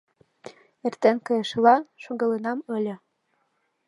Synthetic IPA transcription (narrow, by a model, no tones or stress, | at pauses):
ert̪enkɤ̆jɤ̆ʃlɑʃoɣɤ̆lenɑmɤ̆lʲɤ̆